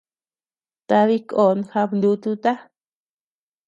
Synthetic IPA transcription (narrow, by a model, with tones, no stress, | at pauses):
t̪a˧βi˦ko˨˧n˧xa˧mnd̪u˧˦t̪u˧t̪a˦